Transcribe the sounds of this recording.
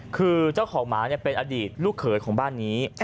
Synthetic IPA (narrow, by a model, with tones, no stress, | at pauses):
kʰɯː˧t͡ɕaː˥˩wkʰɔː˩˦ŋmaː˩˦ni˥˩pe˧nʔaː˧diː˨˩t̪̚luː˥˩kʰːɤː˩˦jkʰɔː˩˦ŋbaː˥˩nːiː˦˥